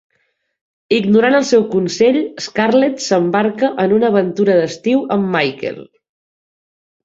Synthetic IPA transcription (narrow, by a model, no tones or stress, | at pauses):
iɡnuɾanəlˠsɛwkunseʎəskarlet̪səmbaɾkəʔənunəːβ̞ənt̪uɾəðəst̪iwəmːajkḛlˠ